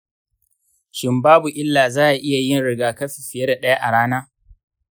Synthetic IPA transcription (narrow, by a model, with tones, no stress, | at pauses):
ʃɪ˨mbaː˦bu˨ʔɪ˦lːaː˨zaː˦ʔa˨ʔɪ˦ja˨jɪ˦˨nɽɪ˨ɡaː˨kɐ˦ɸɪ˨ɸɪ˨je˦da˨ɗɐ˦ja˦ʔa˨ɽaː˦naː˦